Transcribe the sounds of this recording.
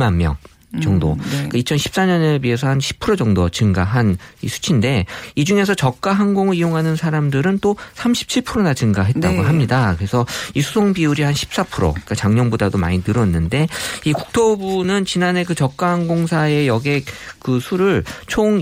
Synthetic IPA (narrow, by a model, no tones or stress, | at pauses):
manmjʌ̰ŋ | t͡ɕʌŋdo̰k͈ait͡ɕʰʌnɕʰi̥p̚s͈aɲʌnebie̞sʰʌhanɕʰi̥pʰɯɾod͡ʑʌŋdot͡ɕɯŋɡaɦanḭsʰu̥t͡ɕʰinde̞id͡ʑuŋe̞sʰʌt͡ɕʌk̚k͈aɦanɡoŋɯɭijoŋɦanɯnsʰaɾamdɯɾɯnt͈osʰamɕʰi̥p̚t͡ɕʰiɭpʰɯɾonat͡ɕɯŋɡaɦe̞t̚t͈aɡoɦamɲidakɯɾe̞sʰʌisʰusʰoŋbiuɾihanɕʰi̥p̚s͈apʰɯɾo̰k͈at͡ɕaŋɲʌŋbodadoma̰ɲinɯɾʌnːɯnde̞ikuk̚tʰobunɯnt͡ɕinane̞kɯt͡ɕʌk̚k͈ahaŋɡoŋsʰae̞jʌɡe̞k̚kɯsʰuɾɯɭt͡ɕʰoŋ